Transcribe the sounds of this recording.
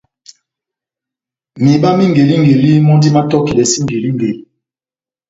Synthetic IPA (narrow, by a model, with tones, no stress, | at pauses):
mi˨ɓa˦mi˦ŋɡe˨li˦ŋɡe˨li˦mɔ˦ndi˦ma˦tɔ˦ki˨lɛ˨si˦ŋɡe˨li˦ŋ˨ɡe˨li˦